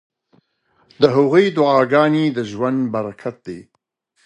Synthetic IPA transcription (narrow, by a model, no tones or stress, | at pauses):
d̪əɦʊɣujd̪ʊɑːɡɑːned̪əʒwand̪baɾakʰat̪̚d̪e